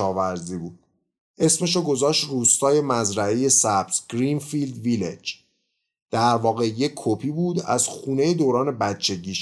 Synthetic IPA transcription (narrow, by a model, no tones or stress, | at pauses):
ɒːvæɾziːbuːd̪̥̚ | ʔe̞sme̞ʃoɡo̞zɒːʃt̪ruːst̪ɒːje̞mæzɾæeje̞sæb̥t̪ɡ̥ɾiːnfild̪vilḛd͡ʒ | d̪̥æɾvɒːɣe̞je̞kʰːopʰiːbuːd̪æ̰z̥xuːne̞je̞d̪oːɾɒːne̞bæt̪̚t͡ʃʰe̞ɟiːʃ